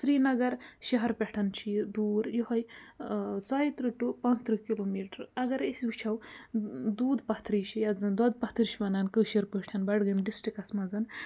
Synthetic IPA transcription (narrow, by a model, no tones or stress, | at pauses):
sɾiːnɐɡɐɾʃɐɦɐɾpeʈʰɐnt͡ʃʰid̪uːɾjoɦɐj | t͡saːjit̪ɾɨʈupɐnzt̪ɾɨkiloːmiːʈɐɾɐɡɐɾesut͡ʃʰɐw | d̪uːd̪pɐht̪ʰɾiːt͡ʃʰijɐzɨnd̪od̪̚pɐht̪ʰɨɾt͡ʃʰiʋɐnɐnkəːʃiɾpɨʈʰɐnbɐɖɡɨmɖisʈikɐsmɐzɐn